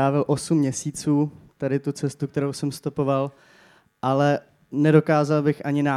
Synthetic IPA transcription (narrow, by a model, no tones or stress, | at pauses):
aːvɪlʔo̞sumːɲɛsiːt͡suːt̪adɪt̪ut͡sɛst̪uk̚t̪ɛɾowsɛmst̪opo̞val | ʔalɛ | nɛdo̞kaːzalbɪxʔaɲɪnaː